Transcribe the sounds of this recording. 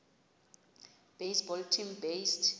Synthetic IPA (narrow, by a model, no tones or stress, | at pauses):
b̥ejsbɔltʰimbest